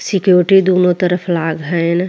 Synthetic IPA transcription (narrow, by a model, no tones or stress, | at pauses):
sɪkjoːɾɪʈid̪oːnõt̪əɾəpʰlaːɡɦɛn